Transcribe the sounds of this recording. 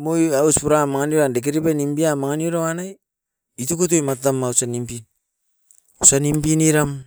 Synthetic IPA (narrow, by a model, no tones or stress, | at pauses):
mojauspuɾamaŋanoɾandek̬eɾipanimbiamaŋanioɾawanaj | itukut̬ojmattamːausanimpin | usanimpiniɾam